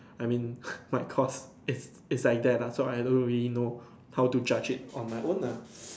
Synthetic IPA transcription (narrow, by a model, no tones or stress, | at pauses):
aɪmĩnmajkʰɔs | ɪs | ɪslaɪk̚d̪ɛt̚asoaɪdõnɹilino | haʊtud͡ʒad͡ʒɪt̚ɔ̃nmaɪʔõna